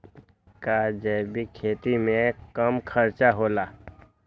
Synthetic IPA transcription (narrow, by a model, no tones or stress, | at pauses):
kad͡ʒɛːbikʰeːt̪imẽkɐmkʰəɾt͡ʃaɦoːlaː